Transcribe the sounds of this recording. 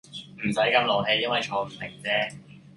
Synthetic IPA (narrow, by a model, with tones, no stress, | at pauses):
m̩˨˩sɐ˨˥jkɐ˧mloː˨˩ɦe˧jɐ˥nwɐ˨jt͡sʰɔː˨˧˩m̩˨˩t̪ʰɪ̰˨˩ŋt͡sɛː˥